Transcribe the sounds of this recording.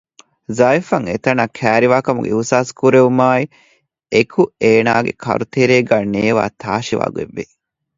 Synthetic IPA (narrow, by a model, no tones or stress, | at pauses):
zɐifɐŋet̪ɐnɐkʰæːɾiʋaːkɐmṵɡḛiusaːskuɾeumaːi | ekʰueːnaːɡḛkʰɐ̰ɾut̪eɾeːɡæːneːʋa̰ːt̪ʰaːʃiʋa̰ːɡuḛʋːe